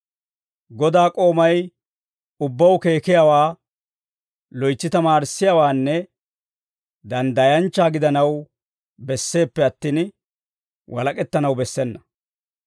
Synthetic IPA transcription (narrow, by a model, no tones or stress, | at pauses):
ɡɔd̪aːkʼo̞ːmɐj | ʊbːɐwke̞ːkɪjawaː | lɔjt͡sːɪt̪ɐmaːɾsːɪjawaːnːɛ | d̪ɐnd̪ɐjɐnt͡ʃːaːɡɪd̪ɐnɐw | bɛsːe̞ːpːɛɐt̪ːiːn | wʔɐlɐkʼɛt̪ːɐnɐwbɛsːɛnːɐ